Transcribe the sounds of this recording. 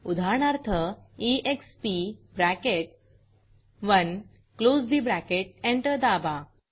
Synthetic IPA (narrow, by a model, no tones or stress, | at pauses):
ud̪ʱaɾɳaɾt̪ʰəiʔekspibɾækeʈ̚ | ʋən | klosd̪ibɾækeʈ̚ẽɳʈəɾd̪aba